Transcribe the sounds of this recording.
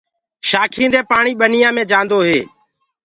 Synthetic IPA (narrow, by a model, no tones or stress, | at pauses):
ʃaːkʰĩːnd̪eːpaːɳiːɓənijãːmẽːd͡ʒãːnd̪oːɦeː